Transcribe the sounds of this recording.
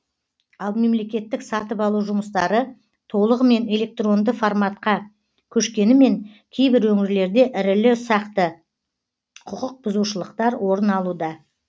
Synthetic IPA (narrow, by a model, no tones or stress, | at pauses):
ɑlˠme̞mle̞kʲe̞t̪ːɪksɑt̪əpɑlˠuwʒʊməst̪ɑɾə | t̪ʰo̞lˠəʁəme̞ne̞lʲe̞k̚t̪ro̞nd̪əformɑt̪̚qɑ | kʲʰɵʃkʲe̞nɪme̞ŋkʲʰe̞jbɪɾwɵŋɪɾle̞ɾd̪e̞ʔɪɾɪlɪsɑqt̪ə | qʰʊqəq̚bʊzuʃəlˠəqt̪ɑɾwo̞ɾənɑlˠud̪ɑ